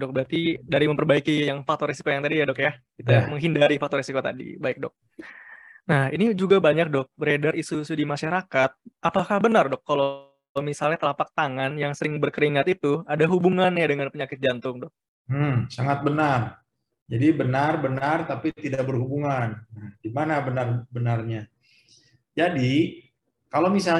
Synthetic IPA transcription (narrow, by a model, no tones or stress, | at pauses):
dɔk̚bɾat̪idaɾiməmpərbaikijaŋfak̚t̪ɔresi̥kojaŋt̪adijadɔkjakit̪aməŋɦindaɾifak̚t̪ɔresikot̪a̰dḭbaɪk̚dɔ̰k̚ | nahinid͡ʒuɡabaɲak̚dɔk̚bəɾedarisuisudimaʃaɾakat̪̚ʔapakahbənardɔkːalo | misalɲat̪əlapak̚t̪aŋanjaŋsəɾɪŋbərkəɾiŋat̪it̪uadaɦubuŋanjadəŋanpəɲakɪt̪̚d͡ʒant̪ʊŋdɔk̚ | m̩saŋat̪̚bənar | d͡ʒadibənarbənart̪apit̪idabərhubuŋanːahdimanabənarbənarɲa | d͡ʒadi | kalowmisal